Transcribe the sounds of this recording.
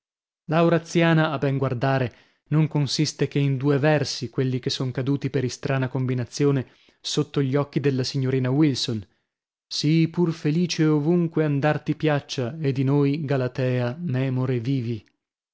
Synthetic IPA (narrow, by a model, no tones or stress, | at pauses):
lawɾat̪sːjaːnaːbɛŋɡward̪aːɾe | noŋkonsist̪ekeind̪uːevɛrsikwelːik̟esːoŋkad̪uːt̪ipeɾist̪ɾʔaːnakombinat̪sːjoːne | sot̪ːoʎːɔkːid̪elːasiɲːoɾiːnawilson | sipurfeliːt͡ʃeovuŋkweand̪art̪ipjat͡ʃːaed̪inoːjɡalat̪ɛːamɛːmoɾeviːvi